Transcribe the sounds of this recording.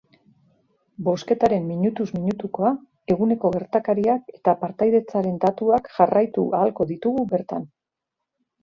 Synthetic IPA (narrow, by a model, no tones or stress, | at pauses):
bo̞ske̞t̪aɾe̞mːiɲut̪uzmiɲut̪uko̞a | e̞ɣ̞une̞ko̞ɣe̞ɾt̪akaɾiake̞̥t̪apaɾt̪ajðe̞t͡saɾe̞nd̪at̪uakʝarajt̪ṵʔaːlko̞ðit̪uɣuβe̞ɾt̪a̰n